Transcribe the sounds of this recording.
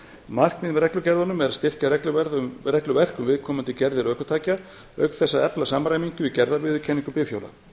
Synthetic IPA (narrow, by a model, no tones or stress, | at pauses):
mar̥kmɪðmɾɛklʏcɛɾðanʏmɛðɾaðst̪ɪr̥carɛklʏvɛɾðʏrɛklʏvɛr̥kʏmvɪðkʰɔːmʏnt̪ɪcɛɾðɪɾœːhkʏt̪ʰaːca | œɥk̪θɛsːaðɛplasamɾaːjmiɲcʏicɛɾðavɪːðʏcʰɛnːiŋkʏpɪfjo̰wla̰